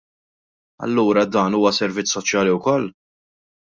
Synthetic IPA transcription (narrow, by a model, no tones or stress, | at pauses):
ɐ̰lːuːɾɐd̪ɐːnuːwɐsɛɾvɪt͡sːsɔt͡ʃjɐːliwkɔlː